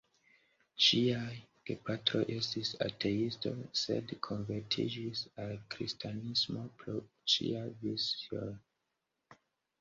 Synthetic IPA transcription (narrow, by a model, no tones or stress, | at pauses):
t͡ʃiaɡ̥epatɾojʔe̞stisa̰tʰe̞isto̞̰sḛdkʰo̞nve̞ɾtʰḭd͡ʒisalkɾistʰanismo̞pɾo | t͡ʃḭavison